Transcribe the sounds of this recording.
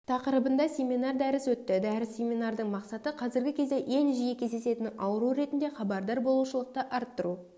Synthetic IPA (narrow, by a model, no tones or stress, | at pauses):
t̪ʰɑqəɾəbənd̪ɑsʲe̞mʲinɑrd̪æɾɪswɵt̪ːɪd̪æɾɪsːe̞mʲinɑrd̪əɴmɑqsɑt̪əqʰɑzɪɾɡʲɪkʲʰe̞zd̪e̞ʔe̞nʒijekʲʰe̞zd̪e̞se̞t̪ɪnɑwəɾuɾe̞t̪ɪnd̪e̞χɑbɑɾd̪ɑɾbo̞lˠuʃəlˠəq̚t̪əʔɑɾt̪ːəɾu